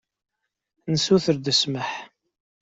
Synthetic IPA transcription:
nəsuθəɾd̪əsməħ

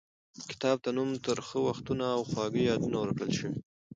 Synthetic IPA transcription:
kɪ̥t̪ɑb̚t̪anumt̪əɾxəwaxt̪unaːwxwɑɡəjɑd̪unawəɾkɽəlʃəwi

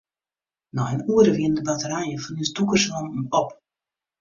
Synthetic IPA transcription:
nɔənuəɾəʋiəndəbatəɾajəfɔnisdukərsomɔp

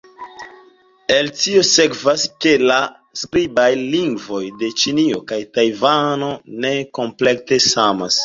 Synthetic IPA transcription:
e̞ltio̞se̞kvaske̞la | skɾibajliŋɡvo̞jde̞t͡ʃinio̞kajtajvano̞ne̞ko̞mple̞k̚te̞samas

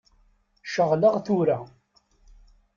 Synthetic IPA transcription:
ʃəʁləʁθʊɾa

